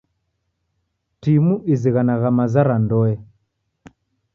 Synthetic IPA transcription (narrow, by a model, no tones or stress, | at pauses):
timuʔiziɣanaɣamazaɾandɔɛ